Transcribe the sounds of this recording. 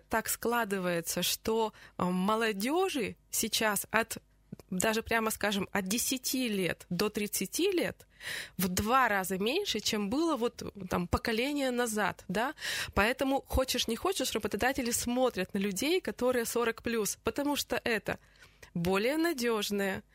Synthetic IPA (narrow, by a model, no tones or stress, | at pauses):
t̪aksklˠad̪ɨvəjɪt̪səʂt̪o̞məlˠɐdʲoʐɨsʲɪt͡ɕasɐt̪ | d̪aʐɨpɾʲaməskaʐɨmɐt̪̚dʲɪsʲɪtʲʰilʲe̞̰t̪d̪o̞t̪ɾʲɪt̪sɨtʲilʲe̞̰t̪vd̪vaɾazəmʲenʲʂɨt͡ɕembɨlˠəvo̞t̪t̪a̰mpəkɐlʲenʲɪjənɐza̰t̪d̪apɐɛt̪əmʊxo̞t͡ɕɪʂnʲɪxo̞t͡ɕɪʂrəbət̪ɐd̪atʲɪlʲɪsmo̞t̪ɾʲət̪nəlʲʉdʲejkɐt̪o̞ɾɨjəso̞ɾəkplʲuspət̪ɐmuʂt̪oʔɛt̪ə̰ | bo̞lʲɪjənɐdʲoʐnəjə